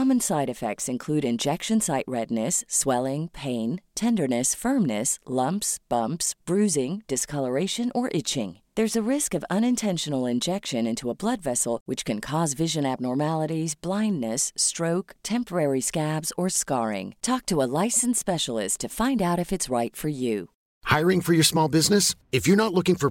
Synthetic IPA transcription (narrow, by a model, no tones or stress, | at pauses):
ɑmɨ̃nsaɪɾɨfɛ̰k̚tsɨ̃nkʰl̥ʉɾɨ̃nd͡ʒɛkʃɨ̃nsaɪʔ̚ɹɛdⁿnɨswɛlˠɪ̃ŋpʰẽɪ̃ntʰɛ̃ndə˞nɨsfɜ̃˞mnɨslʌ̃mpsb̥ʌ̃mpsb̥ɹʉzɪ̃ŋd̥ɨskʰʌlˠə˞eɪʃɨ̃nʔə˞ʔɪt͡ʃɪ̰̃ŋ | ðə˞zɨɹɪskʌvʌ̃ñɨ̃ntʰɛ̃nʃɨnl̩ˠɨ̃nd͡ʒɛkʃɨ̃nɪ̃ntʰuəblʌdvɛsl̩ˠwɨt͡ʃkʰɨ̃nkʰɔzvɪʒɨ̃næb̚nɔɹmælˠəɾizblãɪ̃ndːɨstɹ̥oʊktʰɛ̃mpə˞ɛɹiskæbzə˞skɑɹɪ̰̃ŋtʰɔk̚tʰəəlaɪsn̩spɛʃl̩ˠɪ̰stʰɨfãɪ̃ndaʊɾɨfɨtsɹaɪtfə˞jʉ | haɪɹɪ̃ŋfə˞jə˞smɔlˠbɪznɨsɨfjə˞nətˡlʊkɪ̃ŋfə˞